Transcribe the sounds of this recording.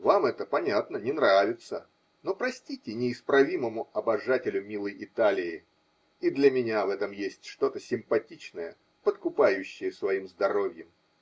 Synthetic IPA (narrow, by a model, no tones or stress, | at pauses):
vamɛt̪əpɐnʲat̪nənʲɪnɾavʲɪt̪sə | no̞pɾɐsʲtʲitʲɪnʲɪːspɾɐvʲiməmʊɐbɐʐatʲɪlʲʊmʲilˠəjɪt̪alʲɪɪ | id̪lʲəmʲɪnʲavɛt̪əmjesʲtʲʂt̪o̞t̪əsʲɪmpɐtʲit͡ɕnəjə̰ | pət̪kʊpajʉɕːɪjəsvɐimzd̪ɐɾo̞vʲjəm